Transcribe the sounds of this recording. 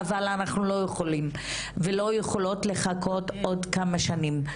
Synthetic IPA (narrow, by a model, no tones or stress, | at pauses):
avalanaχnulo̞jeχolim | velo̞jeχolo̞tle̞χakʰo̞to̞d̪kamaʃanim